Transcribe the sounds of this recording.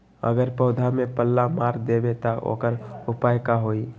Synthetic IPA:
ə̰ɡəɾpəʊd̪ʱamẽpəlːamaːɾd̪ebet̪aʔo̰ːkəɾʊpaːjkaɦoːi

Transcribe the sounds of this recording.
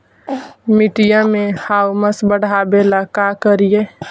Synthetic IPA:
miʈijãmehawməsbəɽ̤ʱabelakakəɾije

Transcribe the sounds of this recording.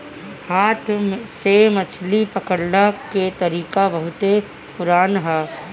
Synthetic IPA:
haːt̪ʰmsemɐt͡ʃʰlipəkəɽnaket̪ɐɾiːkabɐɦʊt̪e | pʊɾaːnɦɛː

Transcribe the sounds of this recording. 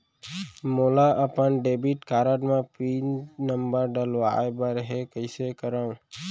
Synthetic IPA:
moːlaʔəpənɖeːbiʈkaːɾəɖmãpɾiːnəmbəɾɖəlʋa̰ːebəɾɦekəɪsekəɾaũ

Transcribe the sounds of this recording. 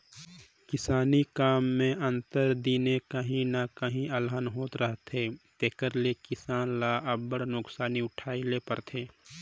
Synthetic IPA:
kɪsaːnikaːmːẽɐ̃nt̪əɾd̪iːnekəɦĩnakəɦĩʔəlɦənɦoːt̪ɾəɦt̪ʰeːt̪eːkəɾlekɪsaːnlaːʔəbːəɽnʊksaːniʊʈʰaːilepəɾt̪ʰeː

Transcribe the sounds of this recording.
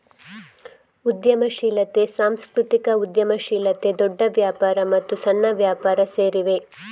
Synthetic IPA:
ud̪jɐmɐʃiːlɐt̪e̞saːmskɾut̪ikɐud̪jɐmɐʃiːlɐt̪e̞d̪ɔɖːɐʋjaːpaːɾɐmɐt̪ːusɐnːɐʋjaːpaːɾɐseːɾiʋe

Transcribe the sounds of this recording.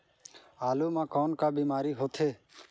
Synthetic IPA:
aːluːmãːkɔːnkaːbiːmaːɾiːɦoːt̪ʰeː

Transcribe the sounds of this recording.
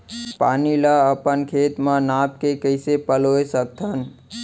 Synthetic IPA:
panilaəpənkʰet̪mãnap̚kekəɪsepəloesəkt̪ʰən

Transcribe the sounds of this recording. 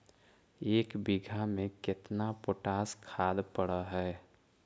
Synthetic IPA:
eːkbiɡʱamẽkɪt̪napoʈaːskʰaːd̪pəɽəɦɛː

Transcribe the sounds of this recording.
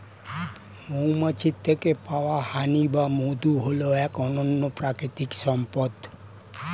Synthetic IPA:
moumãt͡ʃʰit̪ːəkepaʋahanibamod̪uɦoloekɔnɔnnopɾakɾit̪iksɔmpɔt̪

